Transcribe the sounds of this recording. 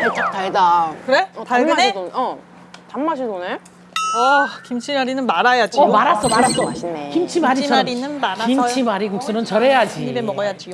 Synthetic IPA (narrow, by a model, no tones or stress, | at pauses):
et͡ɕ͈ataɭdakɯɾetaɭɯnedonʌ | tamːaɕ̬ʰidone | ʌkimt͡ɕʰiɲaɾinɯnmaɾajad͡ʑimaɾas͈ʌkɯɾaoekimt͡ɕʰimaɾimaɾinɯnmaɾaimt͡ɕʰimaɾikuk̚s͈ɯnɯnt͡ɕʌɾe̞jad͡ʑiɲibemʌɡʌjad͡ʑi